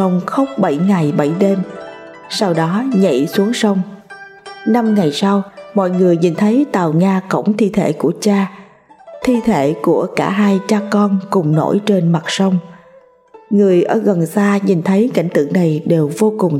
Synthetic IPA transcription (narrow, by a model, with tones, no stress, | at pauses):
ə˧wŋ͡mxə˦˥wk͡p̚ɓə˧˩jŋa˨˩jɓə˧˩jɗe˧m | sa˧wɗɔ˨˦ɲə̰˧˨jsu˨˦əŋsə˧wŋ͡m | na˧mŋa˨˩jsa˧wmɔ̰˧˨jŋɨ˨˩əjɲi˨˩nt̪ʰə˨˦jt̪aː˨˩wɲaː˧kə̰˧˩wŋ͡mt̪ʰi˧t̪ʰḛ˧˩ku˧˩ət͡ɕaː˧ | t̪ʰi˧t̪ʰe˧˩˨ku˧˩əka̰ː˧˩ɦaː˧jt͡ɕaː˧kɔ˧nkʊ˨˩ŋ͡mno̰˧˥˩jt͡ɕe˧nma˨˩t̚sə˧wŋ͡m | ŋɨ˨˩əjʔəː˧˩ɣə˨˩nsaː˧ɲi˨˩nt̪ʰə˨˦jka̰˧˩jŋ̟t̪ɨ̰˧˨ŋna˨˩jɗe˨˩wvo˧kʊ˨˩ŋ͡m